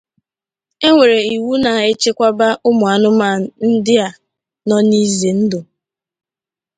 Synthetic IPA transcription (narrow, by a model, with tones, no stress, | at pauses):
e˦ŋʷe˨ɾe˨i˨wu˦na˨e˦t͡ʃe˦kʷa˦ba˦ʔʊ˦mʊ˨a˨nʊ˦ma˦˨n̩˦dɪ˦a˨ | nɔ˦ni˦ze˨n̩˦dʊ˨